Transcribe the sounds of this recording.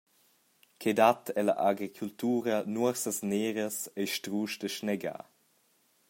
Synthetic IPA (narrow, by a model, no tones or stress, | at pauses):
kʰedatʰɛla̰ʔaɡɾikʰult̪uːɾɐnuəɾsəsneːɾɐsejʃtɾuːʃdəʃnɛɡa̰ː